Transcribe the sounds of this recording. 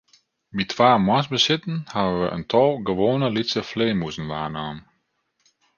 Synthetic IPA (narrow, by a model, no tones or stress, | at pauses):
ʋitʰʋaːmwasbəsɪtn̩haəʋəʔə̰ntʰɔlˠɡəʋoːnəlisəfleːmusn̩ʋaːnaːm